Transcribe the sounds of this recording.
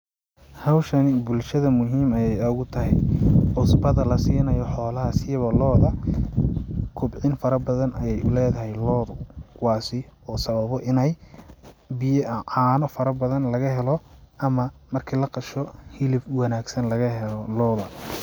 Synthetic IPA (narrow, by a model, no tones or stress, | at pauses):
hɐwʃɐnɪbʊlʃɐðɐmʊɦiːmɐjɛjɐɣʊt̪ʰɐɦɛ̰jʕʊsbɐðɐlɐsiːnɐjɔħɔːlɐɦɐsɪjβɐlɔːðɐ | kʰʊbʕɪnfɐɾɐbɐðɐnɐjɛjʊlɛːðɐɦɛjlɔːðʊkʰʊwɑːsɪɔːsɐβɐβɔʔɪnɛj | bɪjʕaːnɔfɐɾɐbɐðɐnlɐɣɐɦɛlɔʔɐmɐmɐrkʰilɐqɑʃɔhɪlɪfwɑnaːɡsɐnlɐɣɐɦɛlɔlɔːðɐ